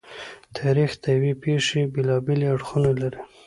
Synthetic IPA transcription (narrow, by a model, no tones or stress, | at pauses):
t̪ʰɑɾixt̪ajawepeʂebelɑbeleaɽxunalaɾi